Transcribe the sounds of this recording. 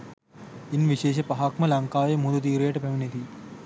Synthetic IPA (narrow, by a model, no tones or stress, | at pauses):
inʋiɕeːʃɐpɐɦaːkmɐlɐŋkaːʋejmud̪ut̪̬iːɾeːʈɐpɐʋinit̪i